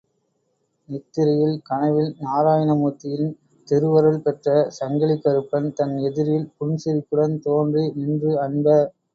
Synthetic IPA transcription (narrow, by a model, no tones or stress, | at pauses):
nɪt̪ːɪɾɐjɪlkɐɳɐʋɪlnaːɾaːjɐnɐmuːt̪ːɪjɪl | t̪ɪɾɯʋɐɾɐɭpɛʈrɐsɐŋɡɐɭɪkːɐɾɯpːɐnt̪ɐnɛðɪɾɪlpʊɳsɪɾɪkːɯɽɐnt̪oːndrinɪndrɯɐɳbɐ